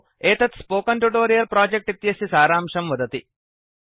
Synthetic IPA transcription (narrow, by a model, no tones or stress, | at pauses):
eːt̪ɐt̪spoːkɐɳʈuʈoːɾijɐlpɾaːd͡ʒek̚ʈit̪jɐsɐsaːɾaːmʂɐmʋɐd̪ɐt̪i